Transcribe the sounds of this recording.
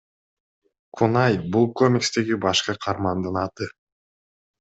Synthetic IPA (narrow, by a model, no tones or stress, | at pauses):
kʰunɑjbulˠkomʲikst̪e̞ɡibɑʃqɯqʰɑɾmɑnd̪ɯnɑt̪ɯ